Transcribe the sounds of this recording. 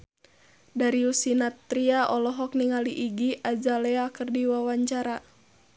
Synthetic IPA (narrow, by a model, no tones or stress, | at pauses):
daɾiusinat̪ːɾiaʔɔlɔɦɔk̚niŋaliʔiɡiʔad͡ʒalɛakərdiwawaɲt͡ʃaɾa